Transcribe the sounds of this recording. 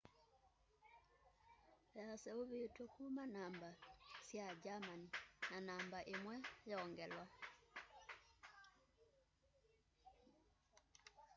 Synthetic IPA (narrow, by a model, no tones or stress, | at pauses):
jasɛuβetɔkumanambasjad͡ʒamaninanambaʔemwɛjɔːŋɡɛlwa